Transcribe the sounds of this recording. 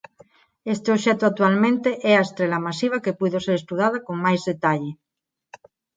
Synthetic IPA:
est̪eoʃɛt̪oat̪ualmẽnt̪eʔɛaest̪ɾelamasiβ̞akepuðoseɾest̪uðað̞akoŋmajzðet̪aʎe

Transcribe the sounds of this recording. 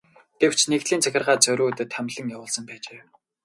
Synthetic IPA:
ɡ̥ew̥t͡ɕʰnekt̪ɮiːnt͡sʰæxʲɪ̆rʁaːt͡sœɾʲuːt̪ɘ̆t̪ʰːæmʲɮə̆ŋjawʊːɮsə̆mpæːt͡ɕeː

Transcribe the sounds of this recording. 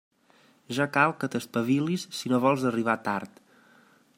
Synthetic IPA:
ʒakalˠkət̪əspəβilisːinoβɔlˠzəriβ̞at̪aɾt̪

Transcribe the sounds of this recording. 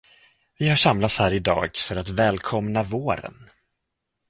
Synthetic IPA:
vɪhaʂamlat̪shæːɾɪd̪ɑ̰ːɡfœɾat̪vɛːlkʰɔmnavoːɾə̰n

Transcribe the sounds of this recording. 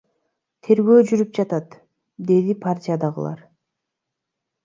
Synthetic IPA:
t̪ʰe̞ɾɡø̞ːd͡ʒyɾyp̚d͡ʒɑt̪ɑt̪ | d̪e̞d̪ipʰartʲijad̪ɑʁɯ̰lˠɑ̰ɾ

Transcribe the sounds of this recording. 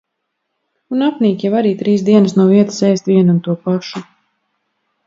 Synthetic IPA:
unapniːkʲjavaɾiːt̪ɾiːsd̪iɛnəsnuɔviɛt̪ḁsɛːst̪viɛnunt̪uɔpaʃu

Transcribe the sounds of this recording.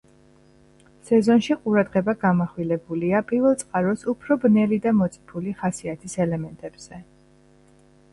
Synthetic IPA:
sɛzɔnʃiqʼuɾad̪ʁɛbaɡamaχwilɛbuliapʼiɾvɛlˠt̪sʼqʼaɾɔsupʰɾɔbnɛlid̪amɔt̪sʼipʰuliχasiat̪ʰisɛlɛmɛnt̪ʼɛb̥z̥ɛ

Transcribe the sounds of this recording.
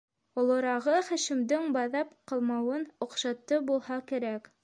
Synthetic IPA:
ŏlˠŏɾɑʁɤχæ̆ʃɘ̆md̪ɘŋbɑðɑpqɤ̆lˠmɑwɤnŏqʃɑt̪ːɤbulˠhɑkæ̆ɾæk

